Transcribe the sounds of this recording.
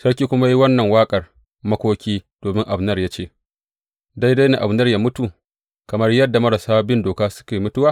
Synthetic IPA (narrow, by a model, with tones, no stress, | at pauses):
sɐ˦ɽk̬ʲiː˦kʷʊ˦ma˦ji˦wɐ˦nːɐ˨ŋwaː˦kʼɐ˨r | mɐ˦kʷoː˦kʲiː˦d̥oː˨mɪ˦ŋʔa˨bnɐ˦rjaː˦t͡ʃeː˦˨ | da˦jda˦jne˨ʔa˨bnɐ˦rjaː˦mʊ˦tu˨ | kɐ˨mɐ˦rjɐ˦dːa˨mɐ˦ɽɐ˨saː˦bɪ˦ndoː˨kaː˦sʊ̥˦kʲeː˨mʊ˦tʊ˦waː˦˨